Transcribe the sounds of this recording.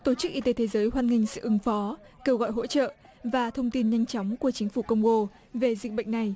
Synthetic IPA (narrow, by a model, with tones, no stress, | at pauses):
t̪o˧˩t͡ɕɨ˦˥k̚ʔi˧t̪e˨˦t̪ʰe˨˦zəː˨˦jɦwaː˧nŋï˧ŋ̟sɨ̰˧˨ʔɨ˨˦ŋfɔ˨˦ | ke˧wɣɔ̰˧˨jɦo̰˧˥t͡ɕə̰ː˧˨ | vaː˨˩t̪ʰə˧wŋ͡mt̪i˧nɲa˧jŋt͡ɕɔ˨˦wŋ͡mku˧˩ət͡ɕï˨˦ŋ̟fu˧˩kə˧wŋ͡mɣo˧ | ve˨˩zi˨˩ɓə̰˧˨jŋ̟na˨˩j